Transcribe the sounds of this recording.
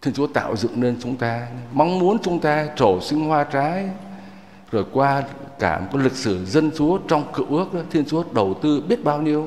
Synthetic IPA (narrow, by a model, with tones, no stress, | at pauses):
t̪ʰi˧ənt͡ɕu˨˦ət̪a̰ː˧˨wzɨ̰˧˨ŋne˧nt͡ɕʊ˨˦ŋ͡mt̪aː˧ma˧wŋ͡mmu˨˦ənt͡ɕʊ˨˦ŋ͡mt̪aː˧t͡ɕo˧˩sï˧ŋ̟hwaː˧t͡ɕaː˨˦j | zo˨˩jkwaː˧kaː˧˩˨ka˨˦jlɨ˨˩k̚sɨ˧˩zə˧nt͡ɕu˨˦ət͡ɕɔ˧wŋ͡mkɨ˧˩əwʔɨ˦˥ək̚ʔa˨˦t̪ʰi˧ənt͡ɕu˨˦əɗə˨˩wt̪ɨ˧ɓi˦˥ət̚ɓaː˧wɲi˧əw